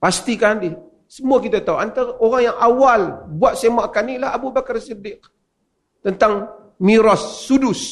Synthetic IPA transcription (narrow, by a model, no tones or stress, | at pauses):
past̪ikandɪh | səmuakit̪at̪auʔant̪aaʔoɾaŋjaŋʔawalbuat̪̚semaʔkanilaabubakarsidɪk̚ | t̪ənt̪aŋ | miɾɔsːudʊs